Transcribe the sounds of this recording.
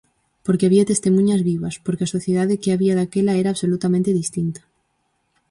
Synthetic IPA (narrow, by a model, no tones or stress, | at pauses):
poɾkeaβiat̪e̞st̪emũɲazβiβaspoɾkeaso̞θjeðaðekeaβiaðakelaeɾaːβso̞lut̪amẽnt̪eðist̪int̪ḁ